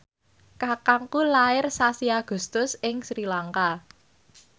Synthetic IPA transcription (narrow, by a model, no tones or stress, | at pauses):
kakaŋkulaɪrsasiaɡ̥ṳst̪ʊsɪŋsɾilaŋka